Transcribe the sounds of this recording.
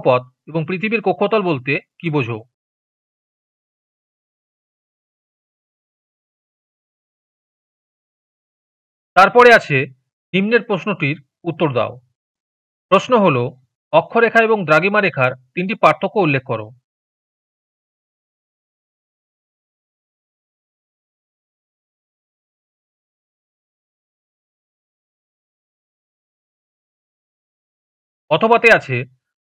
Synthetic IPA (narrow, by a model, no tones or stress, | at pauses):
pɔt̪̚ | eboŋpɾit̪ʰibiɾkokʰːot̪ɔlbolt̪ekibod͡ʑʱo | t̪aɾpɔɾeat͡ɕʰe | nimneɾpɾosnoʈiɾ | ut̪ːoɾd̪a̰o | pɾosnoɦolo | ɔkʰːoɾekʰaeboŋd̪ɾaɡimaɾekʰaɾt̪inʈipaɾt̪ʰːokːoulːekʰːoɾo̰ | ɔt̪ʰobat̪eat͡ɕʰe